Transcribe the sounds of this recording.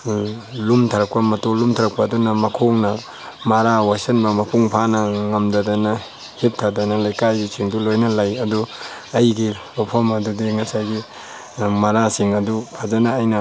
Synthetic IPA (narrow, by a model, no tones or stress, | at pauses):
lumtʰɐɾɐk̚pɐmɐtolumtʰɐɾɐk̚pɐːdunɐmɐkʰoŋnɐ | mɐɾawasɐnbɐmɐpʰuŋpʰanɐŋɐmdɐdɐnɐ | hip̚tʰadɐnɐlajkajɡisiŋdulojnɐlajɐdu | ɐjɡi | opʰomɐdudiŋɐsajɡi | mɐɾasiŋɐdupʰazɐnaːjnɐ